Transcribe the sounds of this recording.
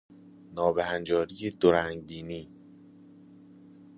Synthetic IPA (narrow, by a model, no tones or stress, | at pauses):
nɒːbehænd͡ʒɒːɾijed̪oɾæŋɡbiːniː